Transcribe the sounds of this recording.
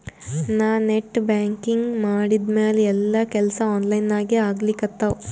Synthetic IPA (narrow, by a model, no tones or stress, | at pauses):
naːneʈːbaːŋkiŋɡmaːɽid̪meːleɛlːɐkɛlɐsɐaːnlɐjnaːɡeaːɡlikɐt̪ːɐw